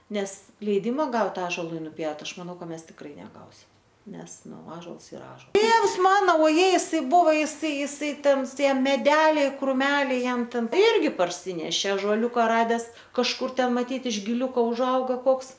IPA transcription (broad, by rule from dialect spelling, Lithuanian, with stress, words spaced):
ˈnʲɛs lʲɛɪˈdʲɪmɐ ˈɡɐʊt ˈɑːʒoːlˠʊɪ nʊˈpʲjɛʊt ˈɐʃ mɐˈnɐʊ ˈmʲɛs tʲɪkˈrɐɪ nʲɛˈɡɐʊsʲɪm ˈnʲɛs ˈnʊ ˈɑːʒoːlˠs ɪˈrɐ ˈɑːʒoːlˠ ˈtʲeːws ˈmɑːnoː oːˈjɛɪ ɪˈsɐɪ ˈbʊʋoː jɪˈsɐɪ jɪˈsɐɪ ˈtʲɛn ˈtʲiɛ mʲɛˈdʲæːlʲɛɪ krʊˈmʲæːlʲɛɪ ˈjɛm ˈtʲɛn ˈɪrʲɡʲɪ pɐrʲˈsʲiːnʲɛʃʲeː ɐʒoːˈlʲuːkɐ ˈrɑːdʲɛs kɐʃˈkʊr ˈtʲɛn mɐˈtʲiːt ɪʃ ɡʲɪˈlʲuːkoː ʊʒˈɐʊɡɐ ˈkoːks